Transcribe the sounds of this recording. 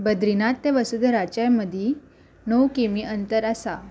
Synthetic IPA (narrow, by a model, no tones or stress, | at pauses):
bəd̪ɾinat̪ːeʋəsud̪ʱɾat͡ɕajməd̪ʱi | nowkimiʔənt̪əɾasa